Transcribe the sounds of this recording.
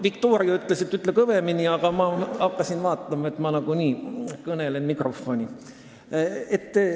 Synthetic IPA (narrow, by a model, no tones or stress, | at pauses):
vikt̪oːɾiɑyt̪ːˑle̞set̪ːˑyt̪ːˑlekɤveminʲiɑɡ̥ɑmɑɑkːɑsinvɑːt̪ːˑɑmɑet̪ːˑmɑnɑɡuniːkɤne̞lenmikro̞fːo̞nʲi | et̪ː